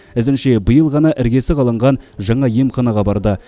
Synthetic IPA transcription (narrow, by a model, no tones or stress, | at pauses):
ɪzɪnʃe̞bəjəlˠʁɑnɑʔɪɾɡʲe̞sɪqɑlˠəɴʁɑnʒɑɴɑjemχɑnɑʁɑbɑɾd̪ə